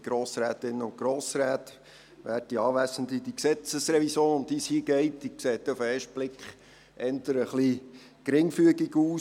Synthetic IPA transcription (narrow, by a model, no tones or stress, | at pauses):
ɡ̥ɾoːsɾæːt̪ɪnːəʊnkɡɾoːsɾæːt | ʋæːt̚iɑːʋæsəndid̪iksɛt͡səsɾɛvisoːnʊnt̪ishiːɡ̥ɛɪtikseːt̪ːɛufeːʃt̚b̥lɪkχ | ʔɛnt̪əɾəχli | kɾɪŋfyəɡiɡuː